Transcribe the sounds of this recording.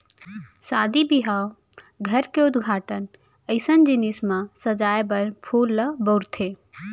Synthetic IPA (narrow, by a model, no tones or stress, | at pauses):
sad̪ibiɦaw | ɡʱəɾkeud̪ɡʱaːʈən | əɪsənd͡ʒinismasəd͡ʒajbəɾpʰulːəbəɾt̪ʰe